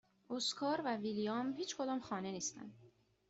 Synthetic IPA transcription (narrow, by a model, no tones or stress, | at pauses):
oskʰɒːɾvævilijɒmhiːt͡ʃkʰod̪ɒːmxɒːneniːst̪æ̰nd̪